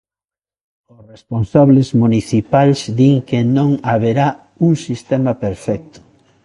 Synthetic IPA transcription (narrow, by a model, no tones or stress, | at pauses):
ʊsresponsaβlezmuniθipalzd̪iŋkenõŋaβeɾa | uŋsist̪ɛmapeɾfɛk̚t̪ʊ̥